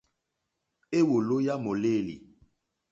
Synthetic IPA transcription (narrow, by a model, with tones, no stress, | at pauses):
e˦wo˨lo˦ja˦mo˨leː˦˨lḭ˨